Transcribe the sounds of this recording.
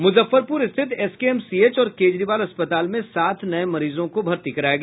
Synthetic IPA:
mʊzəfːəɾpʊɾɪst̪ʰɪt̪ɛskeɛːmsieːt͡ʃɔːɾkeːd͡ʒɾiːʋaːlɐspət̪aːlmẽsaːt̪ʰnɐẽmɐɾiːzõkobʱɐɾt̪ikɐɾaːjeɡː

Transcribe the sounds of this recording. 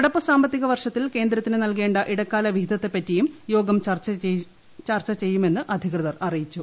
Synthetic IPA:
iɽɐpːɨsaːmbɐt̪ːiɣɐʋɐrʂɐt̪ːilke̞ːnd̪ɾɐt̪ːinɨnɐlk̬e̞ːɳɖɐʔiɽɐkːaːlɐʋiɦid̪ɐt̪ːe̞pːɐtːijumjo̞ːɡɐmt͡ɕɐrt͡ɕ | t͡ɕɐrt͡ɕɐt͡ɕe̞jːume̞nːɨʔɐd̪ʱikrɐðɐrɐrijit͡ɕːu

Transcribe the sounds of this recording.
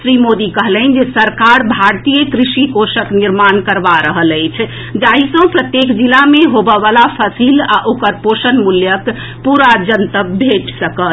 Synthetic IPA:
sɾimod̪ikəɦlɛn̆d͡ʒesəɾkaɾbʱaɾt̪ijəkɾisikosəkniɾmankəɾbaɾəɦələɪt͡ʃʰ | d͡ʒaɦisə̃pɾət̪jekd͡ʒilameɦobəʋalapʰəsila̰ʔokəɾposənmuljək | puɾad͡ʒənt̪əbʱeʈsəkət̪

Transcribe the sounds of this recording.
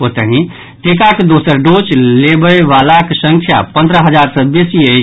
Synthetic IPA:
ot̪əɦĩ | ʈekaked̪osəɾɖot͡ʃlebəjʋalakesə̃ŋkʰja̰pə̃nd̪ɾəɦəd͡ʒaɾsəbesiəj

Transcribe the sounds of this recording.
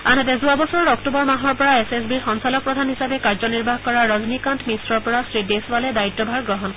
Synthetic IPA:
anatɛzuabɔsɔɹɔɹɔktubɔɹmaɦɔɹpɔɹaesesbiɹxɔnsalɔk̚pɹɔdʱanɦisabɛkaɹzɔniɹbʱaɦkɔɹaɹɔznikantmisɹɔɹpɔɹasɹideswalɛdaitːɔbʱaɹɡɹɔɦɔn

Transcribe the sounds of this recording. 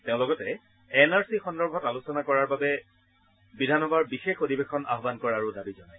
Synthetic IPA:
teʊ̃lɔɡɔtɛ | ɛnaɹsixɔndɔɹbʱɔtalusɔnakɔɹaɹbabɛ | bidʱanɔbaɹbixexodibexʰɔna̰ɦɔbankɔɹaɹudabizɔnaj

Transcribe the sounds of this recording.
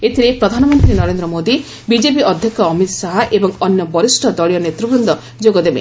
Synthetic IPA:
et̪ʰiɾepɾɔd̪ʱanɔmɔnt̪ɾinɔɾend̪ɾɔmod̪i | bid͡ʒep̬iʔɔd̪ʱjɔkɔːmit̪saɦaʔebɔŋɔnjɔbɔɾisʈʰɔd̪ɔɭijɔnet̪ɾɔbɾɔnd̪ɔ | d͡ʒoɡɔd̪ebḛ

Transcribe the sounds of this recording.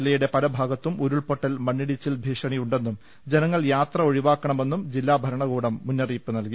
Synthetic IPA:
lːɐjuɽe̞pɐlɐbʱaːɡɐt̪ːumuɾuɭpoʈːɐlmɐɳːiɽit͡ɕːilbʱiːʂɐɳijuɳɖe̞nːum | d͡ʑe̞nɐŋːɐɭjaːt̪rɐo̞ɻiʋaːkːɐɳɐme̞nːumd͡ʑilːaːbʱɐɾɐɳɐɣuːɽɐmːunːɐriːpːɨnɐlki

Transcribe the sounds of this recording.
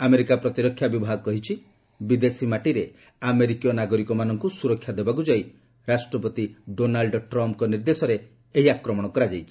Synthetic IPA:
ameɾikapɾɔt̪iɾɔkʰːjabibʱaɦɡɔkɔɦit͡ʃʰi | bid̪esimaʈiɾe | ameɾikijɔnaɡɔɾikɔmanɔŋkusuɾɔkʰːjad̪ebak̬ud͡ʒaj | ɾasʈɾɔpɔt̪iɖonalɖʈɾɔmp̚kɔniɾd̪esɔɾe | eɦiakɾɔmɔɽ̃ɔkɔɾad͡ʒajt͡ʃʰi̥

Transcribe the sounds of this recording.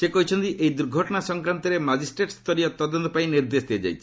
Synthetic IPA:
sekɔɦit͡ʃʰɔnt̪iʔejd̪uɾɡʱɔʈɔɽ̃asɔŋkɾant̪ɔɾemad͡ʒisʈɾeʈst̪ɔɾiɔt̪ɔd̪ɔnt̪ɔpaĩniɾd̪esd̪iad͡ʒa̰jt͡ʃʰi̥

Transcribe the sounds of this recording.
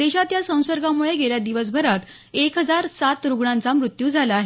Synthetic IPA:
d̪eɕat̪jasə̃w̃səɾɡamuɭeɡeljad̪iʋəsbʱəɾat̪ | ekɦəd͡zaɾsat̪ɾuɡɳãnt͡samɾut̪juːd͡zʱalaɦe

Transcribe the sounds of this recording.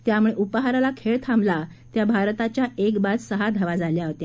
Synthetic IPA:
t̪jamuɭeʔupəɦaɾalakʰeɭt̪ʰambla | t̪jabʱaɾt̪at͡ɕjaekbad͡zsəɦad̪ʱəʋad͡zaljaɦot̪ja

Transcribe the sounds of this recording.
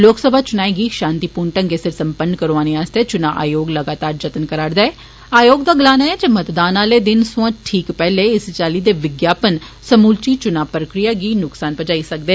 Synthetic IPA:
loːksəbʱaːt͡ʃʊnaːeɡiːʃãːnt̪iːpuːɾɳʈə̃ŋɡeːsɪɾsəmpəɳkəɾoaːneːaːst̪eːt͡ʃʊnaːʔa̰ːjoːɡləɡaːt̪aːɾd͡ʒət̪ənkəɾaːɽd̪aɛː | aːjoːɡd̪aːɡəlaːnaːɛːd͡ʒəmət̪d̪aːnaːleːd̪ɪnsʊ̃ãːʈʰiːkpɛːleːɪst͡ʃaːliːd̪eːʋɪɡjaːpən | səmuːlt͡ʃiːt͡ʃʊnaːpɾəkɾijaːɡiːnʊksaːnpəd͡ʒaːiːsək̚d̪eː

